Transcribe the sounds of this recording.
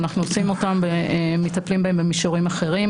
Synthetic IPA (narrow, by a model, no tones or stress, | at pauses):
naχnuot͡simo̞tambeemetaplimbaembemiʃoʁimaχe̞ʁim